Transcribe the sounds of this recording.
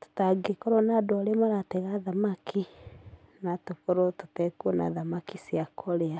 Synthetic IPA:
to̥taɡekɔɾɔnadɔlemaɾatɛɣaðamakʰi | natokoɾototɛkuona̰ðamakisjakʰoɾea

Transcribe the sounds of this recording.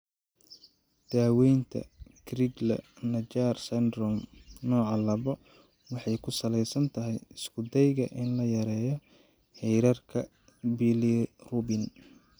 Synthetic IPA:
d̪̥aːwɛjnt̪ʰɐ̰kʰrɪɡlɐ̰nɐt͡ʃaːrsɛnd̪ɾɔmnɔːʕɑlɐβɔ | wɑħɑjkʰʊsɐlɛjsɐnt̪ʰɐɦɛjɪskʰʊd̪ɛjɣɐʔɪnlɐjɐɾɛːjɔ | ħɛjɾɐrkʰɐ | bilirubɪn

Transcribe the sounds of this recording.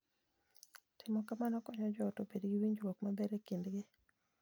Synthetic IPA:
tɪmɔkamanɔkɔɲɔd͡ʒɔtobedɡiwiɲd͡ʒwokmabɛɾekindɡɪ

